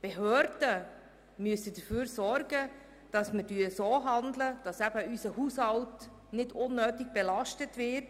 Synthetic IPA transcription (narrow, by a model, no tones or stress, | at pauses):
b̥eɦøːɾdə | myəsədəfyːɾsɔɾɡə | d̥ɑsmədyəsoːɦɑndləd̥ɑsæb̥əysəhuːshɑwt | nɪdʊnːøːtɪɡb̥ɛlɑʃtətvɪt